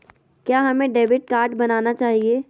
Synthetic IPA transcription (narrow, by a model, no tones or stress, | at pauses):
kjaːɦɐmẽɖeːʋɪʈ̚kaːɾʈbɐnaːnat͡ʃaːɦieː